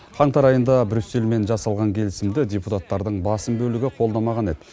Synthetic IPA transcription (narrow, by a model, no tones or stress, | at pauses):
qʰɑɴt̪ɑɾɑjənd̪ɑbɾʲysːe̞lme̞nʒɑsɑlˠʁɑŋkʲʰe̞lɪsɪmd̪ɪd̪ʲeput̪at̪ːɑɾd̪əɴbɑsəmbɵlɪɡʲɪqʰo̞lˠd̪ɑmɑʁɑne̞d̪ɪ